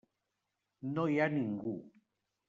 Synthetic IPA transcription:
nojaniŋɡu

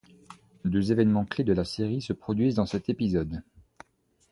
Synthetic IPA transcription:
d̪øzevɛnmɑ̃kled̪əlaseʁisəpχɔd̪ɥizd̪ɑ̃sɛt̪epizɔd̪

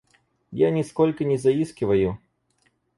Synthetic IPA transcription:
janʲɪskolʲkɐnʲɪzɐiskʲɪvɐju

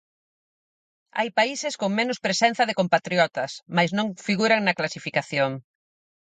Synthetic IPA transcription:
a̰jpaisɪskoŋmẽnʊspɾesen̟θɐðɪkompat̪ɾjɔt̪ɐsmajznõŋfiɣuɾɐŋnɐklasifikaθjoŋ

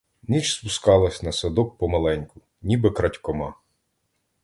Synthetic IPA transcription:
nʲit͡ʃspʊskɑlˠɐsʲnɐsɐd̪ɔk̚pɔmɐlˠɛnʲkʊ | nʲibɪkɾɐtʲkɔmɑ

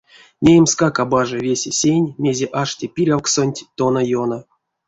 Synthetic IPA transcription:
mʲejemskakabaʐɨvʲesʲesʲenʲmʲe̞zʲeʔaʂtʲipʲiɾʲawksonʲtʲt̪onajonə

